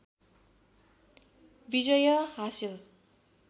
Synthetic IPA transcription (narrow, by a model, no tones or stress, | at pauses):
bid͡zʌjʌɦasil